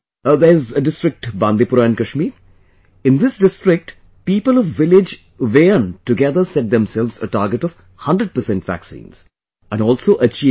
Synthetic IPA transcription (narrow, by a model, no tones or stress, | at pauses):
d̪əɾɪzəɖɪsʈɾɪk̚ʈbãnd̪ipʊɾãːnkəʃmi | ɪ̃nd̪ɪsɖɪsʈɾɪk̚ʈ | piːpəlɔʋːɪlɪd͡ʒ | ʋeːə̃nʈuɡɛd̪əɾsɛʈ̚d̪ɛ̃msɛlʋzəʈaːɾɡəʈɔʋ | hʌ̃nɖɾəɖ̚pəɾsɛ̃nʈʋæ̰ksḭ̃ːnz̥ | æ̃nɖɔːlsoːʔət͡ʃiː